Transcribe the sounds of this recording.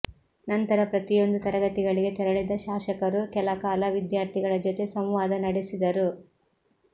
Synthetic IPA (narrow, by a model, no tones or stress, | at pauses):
nɐnt̪ɐɾɐpɾɐt̪ijo̞nd̪ut̪ɐɾɐɡɐt̪iɡɐɭiɡe̞t̪ɛɾɐɭid̪ɐʃaːʃɐkɐɾukɛlɐkaːlɐʋid̪jaːɾt̪ʰiɡɐɭɐd͡ʒot̪e̞sɐmʋaːd̪ɐnɐɽesid̪ɐɾu